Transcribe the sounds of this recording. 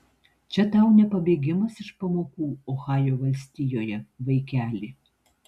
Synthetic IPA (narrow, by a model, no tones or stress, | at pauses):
t͡ʃʲɛt̪ɑˑʊnʲɛpɐbʲeːɡʲɪmɐsɪʃpɐmoːkuːoxɑːjoːʋɐlʲsʲt̪ʲijoːjɛʋɐɪkʲæːlʲiː